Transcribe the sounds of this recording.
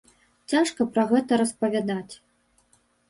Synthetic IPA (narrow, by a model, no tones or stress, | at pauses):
t͡sʲaʂkɐpɾɐɣɛt̪ɐɾɐspɐvʲad̪at͡sʲ